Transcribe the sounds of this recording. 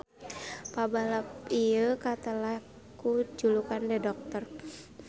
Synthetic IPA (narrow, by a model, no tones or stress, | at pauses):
pabalapijəkat̪alah | kud͡ʒulukandɛdɔk̚t̪ər